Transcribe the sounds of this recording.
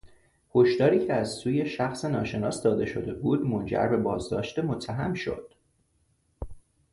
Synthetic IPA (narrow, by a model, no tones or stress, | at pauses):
ho̞ʃt̪ɒːɾiːcʰeæzsuːje̞ʃæxsenɒːʃe̞nɒ̰ːsd̪ɒːd̪e̞ʃo̞d̪e̞buːd̪mo̞nd͡ʒæ̰ɾbe̞bɒːzd̪ɒ̰ːʃt̪emo̞t̪ʰːæɦæmʃo̞̰d̪̥